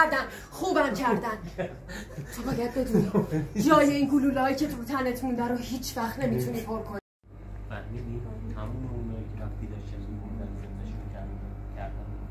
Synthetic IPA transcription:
ɾd̪æn | χuːbæmcʰæɾd̪æn | t̪ʰobɒːjæd̪̚be̞d̪uːniːd͡ʒɒːjeiːnɡuluːlɒːicʰe̞t̪ʰut̪ʰænet̪ʰmund̪æɾuhiːt͡ʃʰvæχt̪ne̞mit̪ʰuniːpʰoɾkʰoni | mæ̰nmid̪it̪ʰæmuːmeunɒːjicʲʰeɾæft̪ʰid̪ɒʃt̪ænumund̪ænzenneʃukʰæɾcʰæɾd̪æn

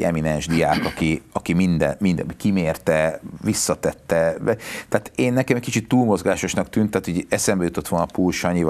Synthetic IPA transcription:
ɛ̰minɛnʒd̪ijaːkɒkiɒkimind̪ɛ̰mind̪ɛkimeːrt̪ɛvisːɒt̪ɛt̪ːɛɛt̪aːt̪eːnːɛkɛmɛcʲkit͡ʃit̪ːuːlmo̞zɡaːʃo̞ʃnɒkt̪yːnt̪ːaːt̪oɟɛsɛmbɛjut̪o̞t̪ːʋo̞lnɒpulʃɒɲiv

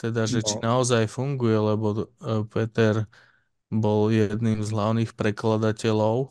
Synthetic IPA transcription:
t̪ɛd̪aʒɛt͡ʃinaɔzajfuŋɡujɛlɛbɔpɛt̪ɛɾ | bɔljɛd̪nimzɦlaʊniːxpɾɛklad̪acɛlɔʊ

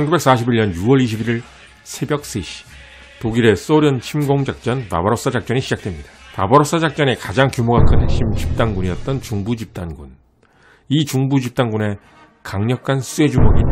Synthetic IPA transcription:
t͡ɕʰʌnɡube̞k̚s͈aɕ̬ʰibiɭɲʌnjuwʌɾiɕʰibiɾiɭ | sʰe̞bjʌk̚s͈eɕʰi̥ | toɡiɾe̞s͈ʌɾjʌnt͡ɕʰimɡoŋd͡ʑak̚t͡ɕ͈ʌnpa̰bʌɾos͈ad͡ʑak̚t͡ɕ͈ʌniɕʰid͡ʑak̚t͈we̞mɲid̥ḁpabʌɾos͈ad͡ʑak̚t͡ɕ͈ʌne̞kad͡ʑaŋkjumoɡakʰɯnɦeɕ͈imt͡ɕip̚t͈anɡuɲijʌt̚t͈ʌnt͡ɕuŋbud͡ʑip̚t͈anɡun | it͡ɕuŋbud͡ʑip̚t͈anɡune̞ | kaŋɲʌkʰans͈ʰue̞d͡ʑumʌɡi

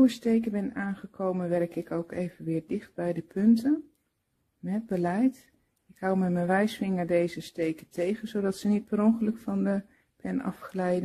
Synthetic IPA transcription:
əstejkəbɛnaːnχəkʰowmənʋɛrkɪkʰowkʰejvənʋɪːɹdɪχt̚bɛjdəpʰɵntən | mɛt̚bəlɛjt | ɪkɦawmɛmənʋɛjsfɪŋəɹdejzəstejkətʰejɣənzodɑtsənit̚bərɔŋχələkfɑndə | pʰɛnɑ̰fχəlɛjdə

